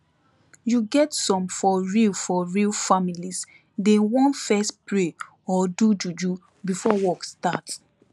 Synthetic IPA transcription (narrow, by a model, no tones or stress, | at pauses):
juɡɛtsɔ̃mfɔɹilfɔɹilfamilis | dẽwɔ̃nfɛstpɹe | ɔdud͡ʒud͡ʒu | bifɔwɔkstat